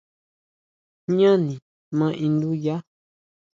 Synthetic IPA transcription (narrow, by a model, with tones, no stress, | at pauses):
ɲã˦nĩ˨ | mã˦ʔĩ˧nd̪u˦ja˦